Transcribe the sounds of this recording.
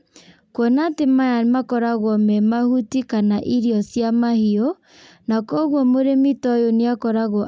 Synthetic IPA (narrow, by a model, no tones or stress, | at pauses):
kwɔnatemajamakɔɾaɣwɔmɛmahutikanaʔiɾiɔsjamahiɔ | nakɔɣwɔmoɾemitɔjoneakɔɾaɣɔ